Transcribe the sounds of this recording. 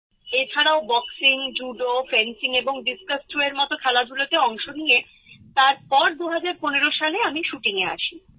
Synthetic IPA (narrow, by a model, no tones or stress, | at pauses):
et͡ɕʰaɾaobɔksiŋd͡ʑuɖofɾensiŋeboŋɖiskasʈɾueɾmɔt̪okʰɛlad̪ʱulot̪eɔŋʃonije | t̪aɾpɔɾd̪uɦad͡ʑaɾponeɾoʃaleamiʃuʈiŋea̰ʃʰi